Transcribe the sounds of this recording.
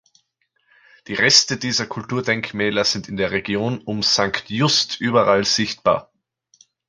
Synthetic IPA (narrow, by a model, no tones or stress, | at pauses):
d̥iːʁɛstədiːzɐkʰʊltuːɐdɛŋkmɛːlɐz̥ɪntɪndeːɐʁeɡjoːnʊmz̥aŋktjʊstʔyːbɐʁalz̥ɪçt̚b̥a̰ːɐ